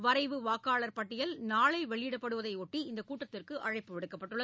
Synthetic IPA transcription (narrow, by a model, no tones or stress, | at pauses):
ʋɐɾɐɪʋɯʋaːkaːɭɐɾpɐʈːɪjɐlnaːɭɐɪʋɛɭɪjɪɽɐpːɐɽɯʋɐðɐɪoʈːiɪnd̪ɐkuːʈːɐt̪ːɪrkɯʔɐɻɐɪpːɯʋɪɽɯkːɐpːɐʈːɯɭːɐ